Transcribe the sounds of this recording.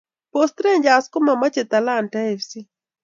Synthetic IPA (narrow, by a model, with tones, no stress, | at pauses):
post̪ɾe˦ɲd͡ʒa˨sko˦ma˨ma˦t͡ʃe˨t̪a˨la˦˨nta˦e˨fsi˦